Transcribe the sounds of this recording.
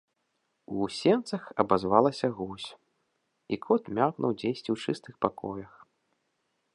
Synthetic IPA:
usʲɛnt̪sɐxɐbazvalˠɐsʲɐɣusʲ | ikʰɔt̪mʲaknʔṵwd͡zʲejsʲt͡sʲiwt͡ʂɨst̪ɨxpakʰɔjɐx

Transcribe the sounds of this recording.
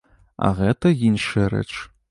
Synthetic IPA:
a̰ʁɛtʰɐjinʃɐɾɐ̰t͡ʃʰʼ

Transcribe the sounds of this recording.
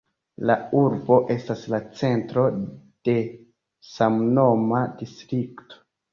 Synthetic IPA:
lauɾbo̞ʔe̞staslat͡se̞ntɾo̞d̥e̞ | samno̞madistɾikto̥

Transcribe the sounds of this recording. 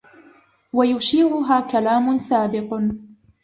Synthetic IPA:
wajʊʃiːɾʊɦaːkalaːmʊnsaːbɪq

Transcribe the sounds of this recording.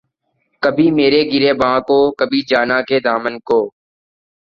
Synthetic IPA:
kəbʱiːmeːɾeːɡɪɾeːbãːkoːkəbʱiːd͡ʒaːnaːkeːd̪aːmənkoː

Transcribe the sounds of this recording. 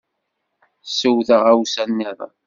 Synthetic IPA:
səwθəʁæwsænːɪðˤɑ̰

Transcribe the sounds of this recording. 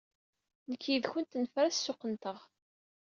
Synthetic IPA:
nəkʰːjiðçʊnt̪nfɾæssːʊqənt̪əʁ

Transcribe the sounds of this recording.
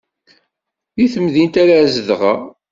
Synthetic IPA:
jiθəmðint̪æɾazəðʁə

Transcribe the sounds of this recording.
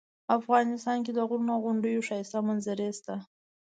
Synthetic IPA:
afɣɑnɪst̪ɑnked̪əɣʊɾnaɣʊɳɖəjoʃɑɪst̪amanzaɾest̪a

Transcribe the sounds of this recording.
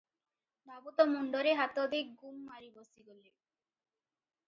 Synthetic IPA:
d̪abut̪ɔmuɳɖoɾeɦat̪od̪ik̚ɡumːaɾibosiɡole

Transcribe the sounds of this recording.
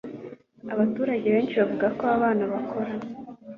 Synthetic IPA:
aβatuːɾaɟe̞βe̞ːnt͡ʃiβavuɡakoaβaːnaβakʰo̞ɾa

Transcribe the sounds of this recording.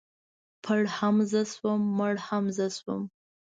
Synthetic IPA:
pʰəɽhamzəswəmːəɽhamzəswə̰m

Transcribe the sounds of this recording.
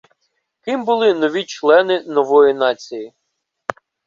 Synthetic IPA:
kɪmbʊlˠɪnɔʋʲit͡ʃlˠɛnɪnɔʋɔjinɑt͡sʲiji

